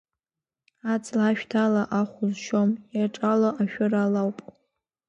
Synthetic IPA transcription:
at͡sʰʼlaʃᶣtʰalaʔaχʷʊzʃomjaʈ͡ʂʼaloʔaʃᶣʊralawpʼ

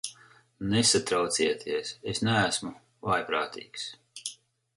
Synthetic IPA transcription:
nesat̪ɾawt̪siɛt̪ʰiɛsesnæːsmu | vajpɾaːt̪ḭːks

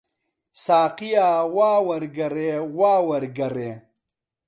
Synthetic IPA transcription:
saːqijaːwaːwɐɾɡɐɾeːwaːwɐɾɡɐɾeː

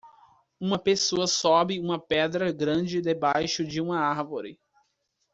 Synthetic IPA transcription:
ũmɐpesoɐsɔbɪũmɐpɛd̪ɾɐɡɾɐ̃d͡ʒɪd̪ebajʃʊd͡ʒɪũmɐaɾvoɾɪ̰

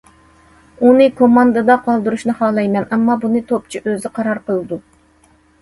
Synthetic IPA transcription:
unɨkʰomɑnd̪ɨd̪ɑqʰɑlˠd̪ɨɾuʃnɨhɑːlˠɑjmɛnɛmːɑbunɨt̪ʰop̚t͡ʃʰiʔøzɪqʰɑɾɑɾqəlˠɨd̪u

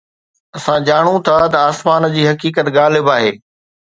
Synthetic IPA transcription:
ɐsãd͡ʑaːɽ̃ũt̪ʰat̪ɐaːsmaːnd͡ʑiːɦɐkiːkət̪ɣaːlɪbaːɦeː

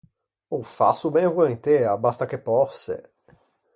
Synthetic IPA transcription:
owfa̰sʊbẽvuẽnt̪eɐbast̪ɐkepɔsɪ̰

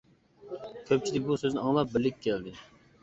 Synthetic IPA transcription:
kʲʰøp̚t͡ʃʰilɪk̚ʲbusøznɪɑŋlˠɑp̚bɪlːɪkʲkʲʰːɛld̪ɪ

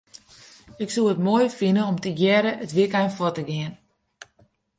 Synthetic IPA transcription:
ɪksuətmoːjfinəɔmtəɡjɛɾəʔətʋikajnfɔtəɡɪən

